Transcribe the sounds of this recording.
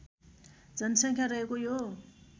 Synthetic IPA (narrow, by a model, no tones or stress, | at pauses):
d͡zʌnʌsʌŋkʰjarʌɦekojo